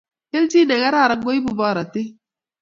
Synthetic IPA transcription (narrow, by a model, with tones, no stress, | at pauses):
ke˦l̩˦d͡ʒi˦ne˨ŋa˦ɾa˦˨ɾa˨ŋ̩˦ɡo˦i˦bu˦˨bɔ˦˨ɾa˨te˦